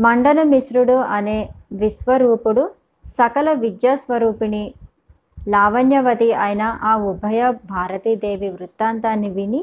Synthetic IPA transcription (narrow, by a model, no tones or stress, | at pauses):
mɐɳɖɐlɐmisɾuɽuɐneːʋisʋɐɾuːpuɽu | sɐkɐlɐʋid̪jaːsʋɐɾuːpini | laːʋɐnjɐʋɐt̪iɐːjinɐʔaːubʱɐjɐbʱaːɾɐt̪id̪eːʋiʋɾut̪ːaːnt̪anːiʋini